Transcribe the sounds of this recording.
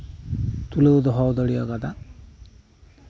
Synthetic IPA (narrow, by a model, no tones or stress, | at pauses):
t̪uleud̪ɔɦɔwd̪ɔɽijɔɡad̪a